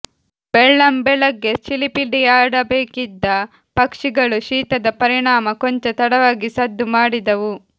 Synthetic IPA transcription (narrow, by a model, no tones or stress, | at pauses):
bɛɭːɐmbɛlɐɡːe̞t͡ʃilipiɖiaːɽɐbeːkid̪ːɐ | pɐkʂiɡɐɭuʃiːt̪ɐd̪ɐpɐɾiɳaːmɐkoɲt͡ʃet̪ɐɽɐʋaːɡisɐd̪ːumaːɽid̪ɐʋu